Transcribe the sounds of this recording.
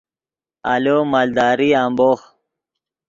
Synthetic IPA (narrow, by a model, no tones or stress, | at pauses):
a̰lomald̪ɑːɾiaːmboːx